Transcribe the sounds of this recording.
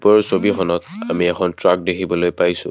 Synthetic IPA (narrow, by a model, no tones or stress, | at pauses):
pɔɹsobixɔnɔta̰miɛkʰɔntɹak̚dekʰibɔlojpajsʊ̰̃